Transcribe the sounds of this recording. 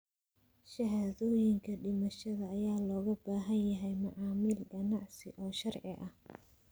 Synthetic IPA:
ʃɐɦaːðɔːjɪŋkʰɐɖɪmɐʃɐðɐːjaːlɔːɣɐbaːɦɐnjɐɦɛjmɐʕɑːmɪlɡɐnɑʕsɪʔɔːʃɐrʕɪʔɐh

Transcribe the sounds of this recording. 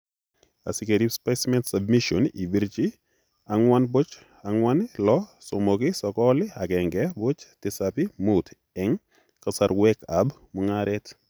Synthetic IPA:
a̰sikeɾispasmɛntsab̚miʃonḭbiɾt͡ʃɪ | aŋwanbt͡ʃ | aŋwanlɔsomokɪsɔkɔlɪaɡɛŋɡɛbʊt͡ʃtɪsapɪmut | ɛŋ | kasaɾwɛka̰b | mʊŋaɾɛt

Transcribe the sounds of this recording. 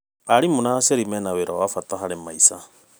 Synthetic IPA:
aɾimonaseɾimɛnaweɾawafataɦaɾemaisa

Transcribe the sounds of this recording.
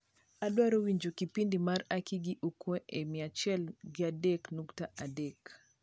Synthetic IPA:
adwaɾowiɲd͡ʒokipindimarakiɡiʔukweʔemɪat͡ʃɛlɡɪadɛknuktaʔadɛk

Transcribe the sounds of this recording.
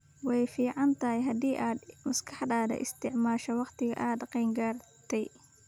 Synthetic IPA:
wɑjfiːʕɑnt̪ʰɐɦjɦɐðiːʔaːd̪mɐskʰɑħd̪aːd̪ɐ̰ʔɪ̰st̪ʰɪʕmaːʃɐwɑqt̪ʰɪɣɐ̰ʔaːd̪qɛjŋɡaːrt̪ʰɛj

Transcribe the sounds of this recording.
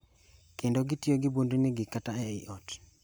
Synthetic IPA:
kendoɡitjoɡɪbondunɪɡɪkataɛɪ̰ʔɔt

